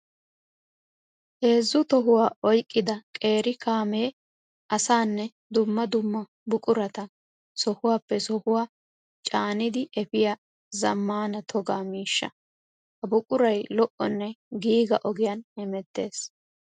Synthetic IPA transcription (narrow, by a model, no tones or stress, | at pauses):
ʔe̞ːzːʊt̪ɔɦʊwaːʔɔjkʼːɪd̪ɐkʼe̞ːɾɪkaːmeː | ʔɐsaːnːɛ | d̪ʊmːɐd̪ʊmːɐ | bʊkʼʊɾɐt̪ɐ | sɔhʊwaːpːɛsɔhʊwaː | t͡ʃʼaːnɪd̪ɪʔɛfɪja | zɐmːaːnɐt̪ʰɔɡaːmiːʃːɐ̰ | hɐbʊkʼʊɾɐjlɔʔɔnːɛɡiːɡɐʔɔɡɪjɐnhɛmɛt̪ːe̞ːs